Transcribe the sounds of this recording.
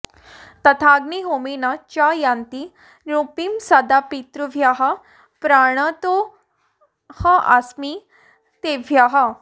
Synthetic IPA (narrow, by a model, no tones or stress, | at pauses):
t̪ɐt̪ʰaɡniɦomenat͡ɕajant̪i | nupimsad̪apit̪ɾuʋʱjaɦa | pɾaɽ̃ət̪o | həʔasmi | t̪eʋʱjaɦa